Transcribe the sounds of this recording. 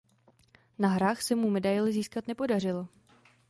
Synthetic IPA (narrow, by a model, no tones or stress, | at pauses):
naɦɾaːxsɛmumɛdajlɪziːskat̪nɛpo̞dar̝ɪlo